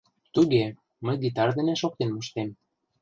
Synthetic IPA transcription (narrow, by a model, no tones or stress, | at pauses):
t̪uɣe | məjɡit̪ɑrd̪ĕneʃok̚t̪enmoʃt̪em